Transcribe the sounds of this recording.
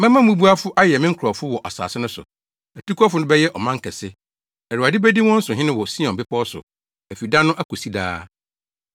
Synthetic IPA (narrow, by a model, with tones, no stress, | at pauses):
mɛ̃˦mã˦mũ˦bu˦a˦fʊ˦ʔa˦jɛ˨mɪ̃˦ŋ̩˦kʰɔ˨fʊ˦wɔ˨ʔa˨sa̰ː˨sɪ˦nʊ̃˦sʊ̰˨ | æ˨tu˦kʰu˦a˦fʊ˨nʊ̃˦bɛ˦jɛ˦ʔɔ˨mã˦ŋ̩˦kʰɛ˨sɪ˦ | ɛ˨ɾu˨a˨dɪ˦bæ˦di˦wɔ̃˦n̩˦sʊ˨ɦɪ̃˦nɪ̃˦wɔ˨si˦ɔ̃˨mbɪ˦pɔ˦sʊ̰˨ | æ˨fi˨dã˦nʊ̃˦ʔæ˦ko˨si˦da̰ː˦